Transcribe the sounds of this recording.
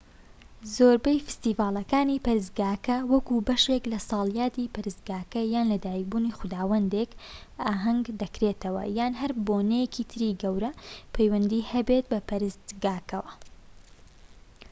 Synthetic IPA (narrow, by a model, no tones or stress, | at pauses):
zoːɾbɐjfɨ̥st̪iːvaːlˠɐkaːniːpɐɾɨs̬t̪̚ɡaːkɐwɐkubɐʃeklɐsɑːlˠjaːt̪iːpɐɾɨst̪̚ɡaːkɐjaːnlɐd̪aːjibuːnixʊd̪aːwɐnd̪ekaːɦɐŋɡd̪ɐkɾet̪ɐwɐ̰jaːnɦɐɾboːnɛjekit̪ʰɨɾiːɡɐwɾɐpʰejwɐnd̪iːhɐbet̪̚bɐpɐɾɨst̪ɡaːkɐwɐ